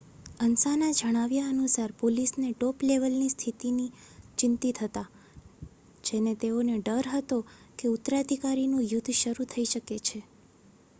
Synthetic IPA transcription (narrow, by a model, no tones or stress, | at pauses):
ənsanad͡ʒəɽ̃aʋjaənusaɾpolisneʈopleʋəlnist̪ʰit̪ini | t͡ʃɪnt̪it̪ʰət̪a | d͡ʒenet̪eoneɖəɾɦət̪o | keut̪ɾad̪ʱikaɾinũjʊt̪ʰːʃəɾut̪ʰəiʃəket͡ʃʰe